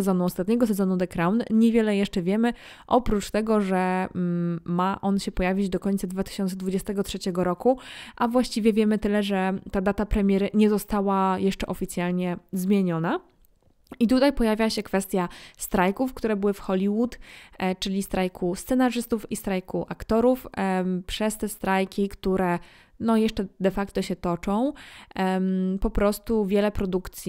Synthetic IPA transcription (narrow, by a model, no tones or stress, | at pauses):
ɛzɔnuɔst̪at̪ɲɛɡɔsɛzɔnud̪ɛkɾawnɲɛvʲjɛlɛjɛʂt͡ʂɛvʲjɛmɘ | ʔɔpɾut͡ʂt̪ɛɡɔʐɛ | maʔɔnɕɛpɔjavʲid͡ʑd̪ɔkɔɲʲt̪sad̪vat̪ɘ̥ɕɔnt̪sɛd̪vud͡ʑɛst̪ɛɡɔtʂɛt͡ɕɛɡɔɾɔkuʔavwaɕt͡ɕivʲjɛvʲjɛmɘt̪ɘlɛʐɛt̪ad̪at̪apɾɛmʲjɛɾɘɲɛzɔst̪awajɛʂt͡ʂɛʔɔfʲit̪sʲjalɲɛzmʲjeɲɔna | it̪ut̪ajpɔjavʲjaaɕɛkfɛst̪ʲjast̪ɾajkufkt̪uɾɛbɘwɘfxɔlʲiwut̪t͡ʂɘlʲist̪ɾʔajkʰust̪sɛnaʐɘst̪ufist̪ɾajkuʔakt̪ɔɾufpʂɛst̪ɛst̪ɾajkʲikt̪uɾɛ | nɔjɛʂt͡ʂɛd̪ɛfakt̪ɔɕɛt̪ɔt͡ʂɔ̃w̃ | mpɔpɾɔst̪uvʲjɛlɛpɾɔd̪ukt̪sʲ